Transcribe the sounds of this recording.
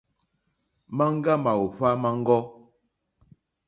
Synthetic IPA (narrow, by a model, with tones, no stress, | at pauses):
ma˦ŋ̩˦ɡa˦ma˨wu˨ɸa˦ma˦ŋ̩˦ɡɔ˦